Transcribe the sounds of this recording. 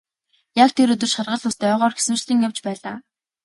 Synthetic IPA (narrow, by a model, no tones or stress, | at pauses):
jakt̪ʰeɾɵt̪ɵ̆rʃχarʁə̆ɮʊst̪œːʁɔːrxe̥sɘ̆mt͡ɕ̆ɮiːŋjawt͡ɕpæːɮaː